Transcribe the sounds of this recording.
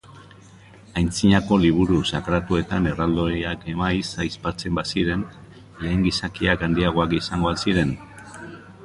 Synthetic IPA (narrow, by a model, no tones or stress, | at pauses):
ajnt͡siɲako̞liβ̞uɾusakɾat̪ue̞t̪ane̞rald̪oake̞majsajspat͡se̞mbasiɾe̞n | le̞ːŋɡisakiakand̪iaɣ̞o̞akisaŋɡo̞asiɾe̞n